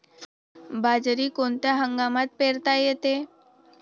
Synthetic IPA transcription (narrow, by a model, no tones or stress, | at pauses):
bad͡zɾiːkont̪jaɦəŋɡamat̪̚peɾt̪ajet̪e